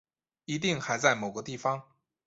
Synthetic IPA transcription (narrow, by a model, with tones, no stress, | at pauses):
i˧˥t̪̬i˥˩ŋxa˧˥ɪt͡sa˥˩ɪmo˨˩ʊɡə˧˦t̪i˥˩fɑ˧ŋ